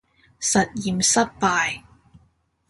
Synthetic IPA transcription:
sɐ˨t̚jiː˨˩msɐ˥t̚paː˨˧j

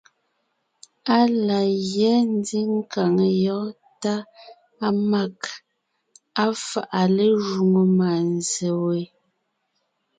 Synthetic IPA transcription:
a˦la˨jjɛ˨˦n˦di˦ŋ̩˦ka˨ŋe˨jɔ˨˦ | ta˦ | a˦ma˦˨k | a˦fa̰˨ʔa˨le˦ʒu˨ŋo˨ma˨n˨ze˨we˨

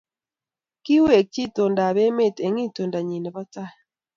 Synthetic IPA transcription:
ki˦we˨k̚t͡ʃi˦˨to˨nda˨βe˦me˦˨te˨ŋi˦˨to˨nda˨ɲi˨nɛ˨ba˦t͡sa˦˨

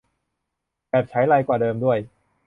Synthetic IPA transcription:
bɛː˨˩p̚t͡ɕʰa˦˥jlaː˧jkwaː˨˩dɤː˧mdu˥˩əj

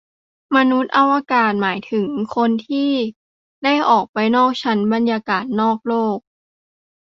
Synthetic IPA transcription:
ma˧nu˦˥t̪̚ʔa˧wa˧kaː˨˩t̪̚maː˩˦jt̪ʰɯ˩˦ŋkʰo˧nt̪ʰiː˥˩ | da˥˩jʔɔː˨˩k̚pa˧jnɔː˥˩k̚t͡ɕʰa˦˥nba˧njaː˧kaː˨˩t̪̚nɔː˥˩k̚loː˥˩k̚

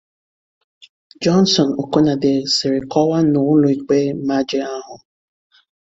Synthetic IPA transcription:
d͡ʒɔ˦nsɔ˨no˨ko˦na˨dɪ˨sɪ˨ɾɪ˨kɔ˦wa˦nʊ˨˦lʊ˦i˨k͡pe˦ma˦d͡ʒɪ˦a˦ɦʊ˨

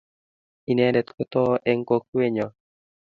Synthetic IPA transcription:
i˨nɛ˦dɛ˨t̪ko˦t̪ɔ˦ʔɛ˦ŋko˦k̚we˦ɲɔ˨

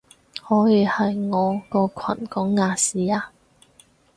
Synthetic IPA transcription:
hɔː˨˥jiː˨˧hɐ˨jŋɔː˨˧kɔː˧kʰɐ̰˨˩nkɔː˨˥ŋːaː˨˧siː˨˧aː˧

